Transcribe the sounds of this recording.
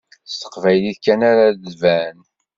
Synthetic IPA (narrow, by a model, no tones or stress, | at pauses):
st̪ə̥qvæjliθkːænaɾaðvæn